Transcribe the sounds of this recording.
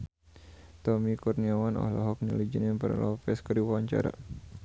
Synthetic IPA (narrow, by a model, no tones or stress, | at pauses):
t̪ɔmikɔrniawanɔ̰hlɔɦɔk̚nilid͡ʒənaŋpərlɔpɛskəɾiwwaɲt͡ʃa̰ɾa̰